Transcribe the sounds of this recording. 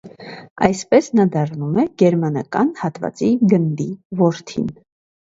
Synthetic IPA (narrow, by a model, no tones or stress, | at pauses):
ɑ̰jspɛsnɑd̪ɑɾnumɛɡ̥ɛɾmɑnɑ̰kɑnhɑt̪vɑ̰t͡siɡənd̪ivɔɾt̪ʰḭn